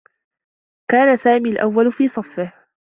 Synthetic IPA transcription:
kaːnasaːmiːlʔawːalfiːsˤɑfːɪh

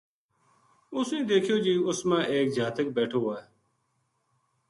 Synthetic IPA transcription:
ʊsẽːd̪eːkʰjoːd͡ʒiːʊsmãːʔeːk̚d͡ʒʱaːt̪əkbɛːʈʰoːɦaːeː

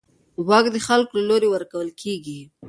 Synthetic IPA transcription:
wɑkd̪əxalkolaloɾewəɾkawəlkʰeɡi

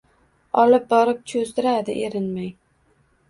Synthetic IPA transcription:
ɒlɪp̚bɒɾɪp̚t͡ʃʰozd̪ɪɾad̪ɪʔeɾɪnmaj

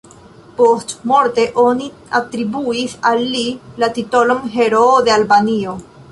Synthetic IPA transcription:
po̞stmo̞ɾte̞ʔoni | at̪ɾibuisalːilatito̞lomɦe̞ɾood̪e̞albanio̞

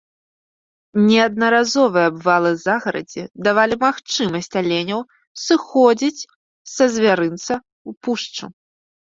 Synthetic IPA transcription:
nʲɛɐd̪̚nɐɾazɔvɨjɐbvalˠɨzaɣɐɾɐ̰d͡zʲɛd̪avalʲimaxt͡ʂɨmɐsʲt͡sʲalʲenʲɐw | sɨxɔd͡zʲit͡sʲ | sɐzʲvʲaɾɨnt̪sɐ | upuʂt͡ʂṵ

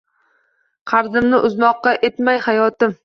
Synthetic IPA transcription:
qʰɑɾzɪmnɪʔʊzmɒqːɑʔe̞t̪majhajɒt̪ɪm

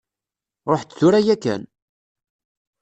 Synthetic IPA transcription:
ɾˤoħt͡sːθʊɾæjækːæ̰n

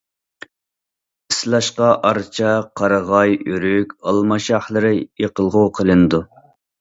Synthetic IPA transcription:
ɪslˠɑʃqɑʔɑɾt͡ʃʰɑqʰɑɾəʁɑjyɾykʲɑlˠmɑʃɑχlˠəɾɪjeqəlˠʁʊqʰəlˠɨnɨd̪u

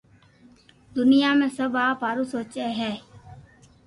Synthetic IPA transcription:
d̪ʊnɪjaːmẽːsəbaːpaːɾuːsoːt͡ʃeːɦɛː

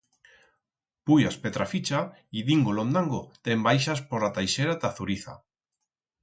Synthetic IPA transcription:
pujaspet̪ɾafit͡ʃa | iðiŋɡolond̪aŋɡot̪embajʃaspoɾat̪ajʃeɾat̪aθuɾiθa̰

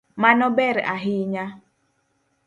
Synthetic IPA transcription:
manɔbɛɾ̰ʔaɦiɲa

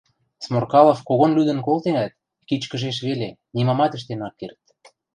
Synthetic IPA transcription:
smorkɑlˠofkoɣonlyd̪ə̆nkolt̪eŋæt̪̚ | kit͡ɕkə̆ʒeʃ̬βele | nimɑmɑt̪ə̆ʃ̬t̪enɑkːert̪

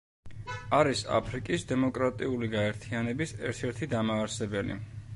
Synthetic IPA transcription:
aɾisa̰pʰɾikʼisd̪ɛmɔkʼɾat̪ʼiuliɡaɛɾt̪ʰianɛbisɛ̰ɾt̪ʰɛɾt̪ʰid̪amaːɾsɛbɛlḭ

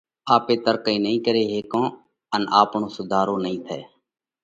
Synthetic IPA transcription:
aːpeːt̪əɾkəĩːnəɦĩːkəɾeːɦeːkõː | ənaːpɳõːsʊd̪ʱaːɾõːnəɦĩːt̪ʰɛ̰ː

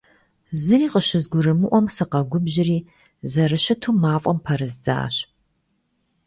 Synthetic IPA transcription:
zɨriːqəɕɪzɡʷʊɾɨmɨʔʷɔmsɐqɐɡʷʊbʑɪriː | zɐrɨɕɐtʰuːmaːfʼɔmpʰɐɾɨzza̰ːɕ

